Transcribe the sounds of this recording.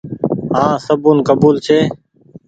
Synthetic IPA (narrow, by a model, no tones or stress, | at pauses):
ɦãːsəbuːnkəbuːlt͡ʃʰeː